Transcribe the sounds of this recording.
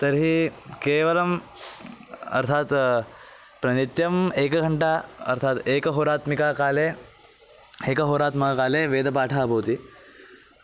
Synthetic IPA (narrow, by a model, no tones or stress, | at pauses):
t̪ɐɾɦikeːʋɐlɐm | ɐ̰ɾt̪ʰaːt̪ | pɾɐnit̪jɐmeːkɐɡʱɐɳʈaɐ̰ɾt̪ʰaːt̪eːkɐɦoːɾaːt̪mikaːkaːleː | eːkɐɦoːɾaːt̪mɐkakaːleːʋeːd̪ʱɐpaːʈʰaːbʱɐʋːt̪i